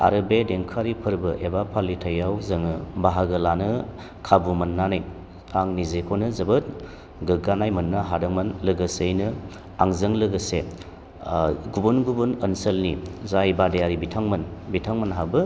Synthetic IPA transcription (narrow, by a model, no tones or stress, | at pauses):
a̰ɾɯbedeŋkʰaɾipʰɯɾbɯʔebapʰalitʰɐjawzɐŋɯbaɦaɡɯlanɯ | kʰabumɐnːanɯj | aŋnizekʰonɯzɐbɯt̚ | ɡɯɡanajmɐnːaɦadɐŋmɐnlɯɡɯsejnɯ | aŋzɯŋlɯɡɐse | ɡubunɡubunɐnsəlnizajbadejaɾibitʰaŋmɐnbitʰaŋmɐnɦabɯ